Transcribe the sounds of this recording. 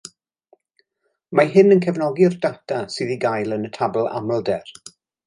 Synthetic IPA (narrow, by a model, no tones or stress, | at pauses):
maɦɪnənkʰɛvnɔɡiɔrdatʰasɨːðiɡajlˠənətʰablˠa̰mlˠdɛr